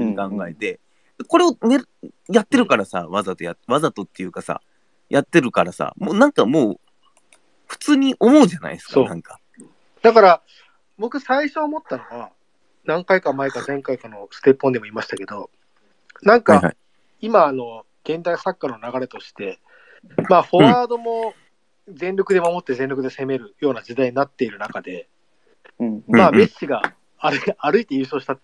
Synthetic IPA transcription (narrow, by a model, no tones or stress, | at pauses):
ikãŋɡae̞t̪e̞ | d̪̥ako̞ɾe̞one | jat̪ːe̞ɾɯ̟kaɾasa̰βazat̪o̞jatβazat̪o̞t̪ːejɯ̟kasa̰ | jat̪ːe̞ɾɯ̟kaɾasa̰moːnãŋkamo̞ː | ɸɯ̟̥t͡sɨːɲ̟iʔo̞mo̞ɯ̟ʑana̰isɨ̥kaonã̰ŋkḁ | d̪̥akaɾa | bo̞kɯ̟saiɕo̞ːmo̞t̪ːano̞βa | nãŋkaikamaekazẽ̞ŋkaikano̞sɨ̥t̪e̞pːo̞nd̪emo̞imaɕi̥t̪ake̞d̪o̞ | nãŋka | imaːno̞ | ɡ̥ẽ̞nd̪aisakːano̞naɡaɾe̞t̪o̞ɕi̥t̪e̞ | maːho̞βaːd̪o̞mo̞ | zẽ̞nɾʲo̞kɯd̪e̞mamo̞t̪ːe̞zẽ̞nɾokɯ̟d̪e̞se̞me̞ɾɯ̟jo̞ːnad͡ʑid̪aiɲ̟inat̪ːe̞iɾɯ̟nakad̪e̞ | maːmeɕiɡaː | ɾːɾɯ̟it̪e̞jɯ̟ːso̞ːɕi̥t̪a